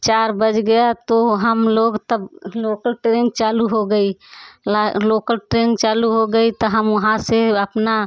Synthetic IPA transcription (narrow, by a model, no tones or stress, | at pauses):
t͡ʃaɾbəd͡ʒɡəjat̪oɦəmloɡt̪əblokəlʈɾeŋɡ̚t͡ʃaluɦoɡəilalokəlʈɾeŋɡt͡ʃaluɦoɡəit̪ɔɦəmʊɦãseəpna